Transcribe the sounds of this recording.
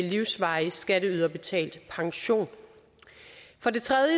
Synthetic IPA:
liʊsʋɑ̈ɪsɡ̥æɾəyðˠɐb̥e̝t͡sʰɛ̰ːld̥pʰɑ̈ŋɕo̝̰ːn | fɒ̽de̝t͡sʰʁɛðˠjə

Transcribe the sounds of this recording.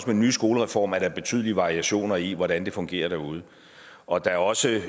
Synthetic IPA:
smenːyːsɡ̥o̝ːləʁɛfɒ̰ːmæɐɾɑb̥e̝t͡sʰy̰ðˠliʋɑ̈ʁiæɕo̝̰ːnɐiʋɒɾ̥ænd̥e̝fɔ̽ŋɡ̥e̝̰ːɐd̥æɐuːð̞ˠə | ɒ̽d̥ɑ̈æɐɒ̽sə

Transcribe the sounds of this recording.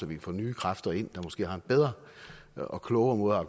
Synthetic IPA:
sɒʋikʰæfɔ̰ːnyːkʰʁafd̥ɐe̝n̰d̥ɑ̈mosɡ̥e̝̰ːɦɑ̈e̝nb̥eð̞ˠʁɐ | ɒ̽kʰlɔʊɐmɔ̽ːð̩ˠɐɑ̈kʰ

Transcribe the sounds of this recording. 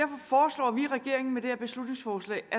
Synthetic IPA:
æɐfɒ̽fɒːslɒ̰ːʋiʁɛɡ̥e̝ɐ̰e̝ŋn̩med̥e̝hæɐb̥e̝slud̥ne̝ŋsfɒːslɛ̰ːæ

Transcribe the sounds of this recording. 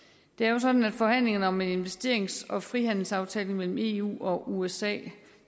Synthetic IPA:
d̥e̝æɐjo̝sɒ̽d̥n̩æd̥fɒ̽hæn̰le̝ŋɐnəɒ̽me̝ne̝nʋesd̥e̝̰ɐe̝ŋsɒ̽fʁihæn̰l̩sɑ̈ʊt͡sʰɛːleŋmel̰m̩e̝̰ːṵːɒ̽ʔuesɛ̰ː

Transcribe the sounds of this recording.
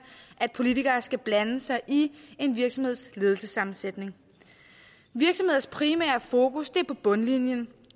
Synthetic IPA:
ʔæd̥̚pʰo̝lit͡sʰiɡ̥ɐːsɡ̥æb̥lænəsɑ̈ɪʔie̝nʋiɐɡ̥sɒ̽mhe̝ð̞̰ˠsle̝ːð̞ˠl̩səsɑ̈mn̩sed̥ne̝ŋ | ʋiɐɡ̥sɒ̽mhe̝ðˠɐspʰʁimɛ̰ːɐfo̝ːkusd̥e̝æɐpʰɒ̽b̥ɔ̽nlinjən

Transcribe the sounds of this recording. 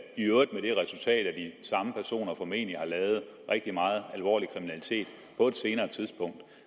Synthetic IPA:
iøid̥̚meɾ̥e̝ʁɛsult͡sʰɛ̰ːd̥æd̥isɑ̈məpʰæɐso̝̰ːnɐfɒ̽me̝̰ːnlihɑ̈lɛːʊð̞̩ˠ | ʁeɡ̥̚d̥imɑ̈ːð̞̩ˠælʋɒ̰ːlikʰʁiminælit͡sʰe̝̰ːd̥ | pʰɒ̽e̝d̥se̝ːnɐːt͡sʰiðˠsb̥ɔ̽ŋ̰d̥

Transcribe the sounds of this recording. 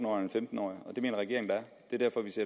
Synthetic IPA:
n̩ɒ̰ːjenfemd̥n̩ɒ̰ːiɒ̽d̥e̝me̝̰ːnɐʁɛɡe̝ɐ̰eŋnd̥ɑɐ | d̥e̝ɐd̥æɐfɒ̽ʋise̝ɐ̰

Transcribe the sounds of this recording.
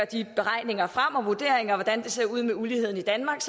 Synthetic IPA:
ɐd̥ib̥e̝ʁɑ̈ɪ̰ne̝ŋɐfʁɑ̈m̰ɒ̽ʋuɐd̥e̝̰ɐeŋɐʋɒd̥ænd̥e̝se̝ɐuð̞̰ˠmeulihe̝ð̰ˠn̩id̥ænmɑ̈ːɡ̥s

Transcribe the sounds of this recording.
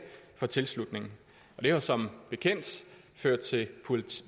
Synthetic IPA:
fɒ̽t͡sʰe̝lslud̥ne̝ŋn̩ | ɒ̽d̥e̝ʋɑsɒ̽mb̥e̝kʰen̰d̥ | føɐ̰d̥̚t͡sʰe̝lpʰolʰ

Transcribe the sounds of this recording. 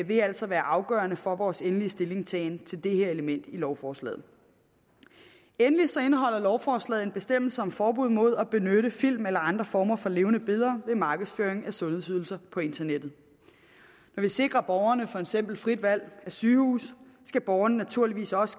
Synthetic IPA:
ʋe̝æl̰sɒ̽ʋæːɐʔɑ̈ʊɡ̥ɶ̰ːɐnəfɒʋɒːsenliəsd̥e̝le̝ŋsʰɛ̰ːnt͡sʰe̝ld̥e̝heɐe̝ləmen̰d̥ilɒʊfɒːslɛ̰ːð̰̩ˠ | enlisɒ̽e̝nəɦɒ̽l̰ɐlɒʊfɒːslɛ̰ð̩ˠe̝nb̥e̝sd̥em̰l̩səɒ̽mfɒːb̥uð̞̰ˠmo̝ð̞̰ˠæb̥e̝nøɾəfil̰melɐɑ̈nd̥ʁɐfɒːmɐfɒ̽le̝ːʊnəb̥e̝ð̞ˠɐʋe̝mɑ̈ːɡ̥ðˠsføːɐeŋæsɔ̽nhesyð̞ˠl̩sɐpʰɒ̽e̝nt͡sʰɐned̥ð̩ˠ | nɒʋise̝ɡ̥ʁɐb̥ɒʊɐnəfɒ̽e̝d̥sem̰b̥l̩fʁid̥ʋæl̰æsyːhṵːsː | ɡ̥æb̥ɒʊɐnənæt͡sʰuɐ̰liʋḭːsɒ̽sə̥

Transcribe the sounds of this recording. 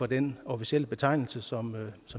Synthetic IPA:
ɒ̽d̥enofiɕiel̰əb̥e̝t͡sʰɑ̈ɪnl̩səsɒ̽msɒ̽m

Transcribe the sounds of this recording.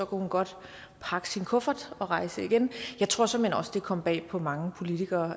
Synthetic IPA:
sɒ̽kʰæhunɡ̥ɒ̽d̥ | pʰɑ̈ɡ̥ə̥sinkʰɔ̽fɐd̥ˠɒ̽ʁɑ̈ɪsəiɡ̥enjɑ̈ɪt͡sʰʁo̝ɐ̰sɒ̽menɒ̽sd̥e̝kʰɒ̽m̰b̥ɛ̰ːpʰɒ̽mɑ̈ŋəpʰo̝lit͡sʰiɡ̥ɐː

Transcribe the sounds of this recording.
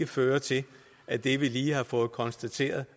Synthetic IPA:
əføːɐt͡sʰe̝l | ʔæd̥e̝ʋiliːhɑ̈fɔ̽ːð̩ˠkʰɒ̽nsd̥æt͡sʰe̝̰ːɐð̩ˠ

